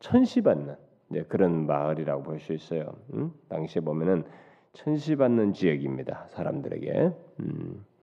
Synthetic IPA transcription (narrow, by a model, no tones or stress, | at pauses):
t͡ɕʰʌnɕʰibanːɯn | ekɯɾʌnmaɯɾiɾaɡopoɭs͈uis͈ʌjo̰taŋɕʰiebomjʌnɯn | t͡ɕʰʌnɕʰibanːɯnt͡ɕijʌɡimɲidasʰaɾa̰mdɯɾe̞̰ɡe̞̰ɯ